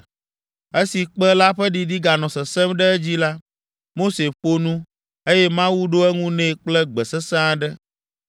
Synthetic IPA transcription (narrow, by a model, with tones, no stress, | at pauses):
e˦si˨k͡pɛ˦la˦ɸɛ˦ɖi˨ɖi˦ɡa˨nɔ̃˨sɛ˨sɛ˦mɖɛ˦ɛ˦d͡ʑi˦la˦ | mo˦se˨ɸo˦nũ˦ | e˦jɛ˦mã˦wu˦ɖo˦ɛ˦ŋũ˦nɛ̃˨k͡plɛ˦ɡ͡bɛ˨sɛ˦sã˦ɖɛ˦